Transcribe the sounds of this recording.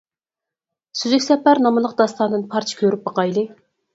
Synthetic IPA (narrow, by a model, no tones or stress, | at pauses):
syzɛkʲsɛpæɾnɑmɨlˠəq̚d̪ɑst̪ɑnd̪ɨnpʰɑɾt͡ʃʰɪ̥kʲʰøɾyp̚bɑqɑjlˠɨ